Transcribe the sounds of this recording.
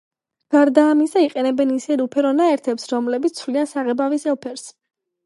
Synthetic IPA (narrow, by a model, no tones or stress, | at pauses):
ɡ̥aɾd̪aːmisaiqʼɛnɛbɛnisɛd̪upʰɛɾɔnaɛɾt̪ʰɛpsɾɔmlɛbit̪sʰvliansaʁɛbavisɛlˠpʰɛɾs